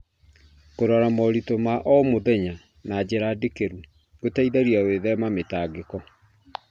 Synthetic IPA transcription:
koɾɔɾamɔɾitomaʔɔmoðɛɲa | naːd͡ʑeɾadekeɾu | ɡotaiðaɾiaweðɛmametaːɡekɔ

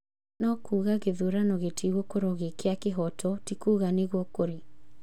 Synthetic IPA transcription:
nɔkuːɣaɣeðuɾanɔɣetʰiɣwɔkoɾɔɣekeakeɦɔtʰɔtikuːɣaneɣwɔkoɾe

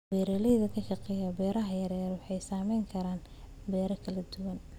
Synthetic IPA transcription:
bɛːɾɛlɛjðɐkʰɐʃɑqɛjɐbɛːɾɐɦɐjɐɾɛːɾwɑħɑjsaːmɛjŋkʰɐɾaːn | bɛːɾɐkʰɐlɐd̪ʊwɐn

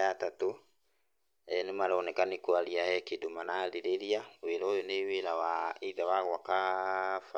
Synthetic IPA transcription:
atato | ɛnemaɾaonɛkanikwaɾiahɛkedomanaleɾeɾiaweɾaojoneweɾawaeðawaɣwakafa

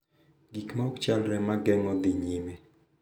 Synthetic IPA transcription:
ɡikmaɔkt͡ʃalɾɛmaɡɛŋɔd̪ɪɲime

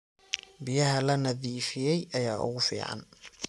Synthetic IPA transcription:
bɪjɐɦɐlɐnɐðiːfɪjɛjʔɐjaːʔʊ̰ɣʊfḭːʕɑ̰n

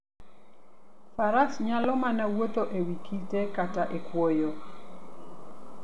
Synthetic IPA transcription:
faɾasɲalɔmanawot̪oʔewikʰitekataʔekwojo

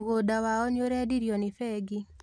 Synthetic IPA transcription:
ɣodawaɔnjoɾɛdiɾjɔnɪfɛɡi

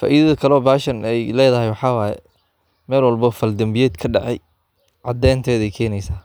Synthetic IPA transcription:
fa̰ːʔiːðɐðɐkʰɐlɔːbaːʃɐnɛjlɛːðɐɦɛjwɑħɑːwɑːjɛ̰ | mɛːlwɐlbɔfɐld̪ɐmbɪjɛːd̪kʰɐɖɑʕɛ̰j | ʕɑd̪ɛːnt̪ʰɛːðɛjkʰɛːnɛjsaː

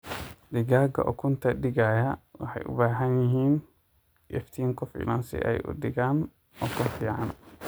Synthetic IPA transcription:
dɪɡaːɡɐ̰ʔɔ̰kʰʊnt̪ɐɗɪɡaːjɐwʊħɛ̰jʔʊ̰baːɦɐnjɪɦiːn | ʔɛft̪ʰiːŋkɔfḭlansɪ̰ʔɛ̰jʔʊ̰ɗɪɡaːn | ʔɔkʊnfiːʕa̰n

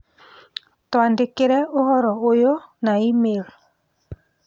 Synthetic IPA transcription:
twandekeɾɛohɔɾɔojonaimel

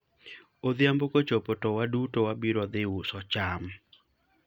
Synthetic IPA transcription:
od̪jambokot͡ʃopotowadutowabiɾɔd̪ɪusɔt͡ʃam

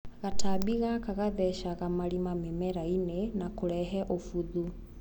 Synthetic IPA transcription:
ɣatabiɣakaɣaðɛʃaɣamaɾimamemɛɾainenakoɾɛɦɛʔofuðu

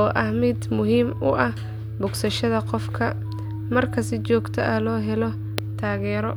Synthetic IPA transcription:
ɔːʔɐhmɪd̪mʊɦiːmʊʔɐh | bʊɡsɐʃɐðɐqɔfkʰɐ | mɐrkʰɐsɪt͡ʃɔːɡt̪ʰɐʔɐlɔːɦɛlɔ | t̪ʰaːɣɛːɾɔ

